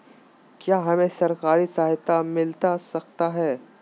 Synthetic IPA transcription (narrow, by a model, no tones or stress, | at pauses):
kjaːɦɐmẽsɐɾkaːɾisaːɦɪt̪amɪlt̪asɐkt̪aɦɛː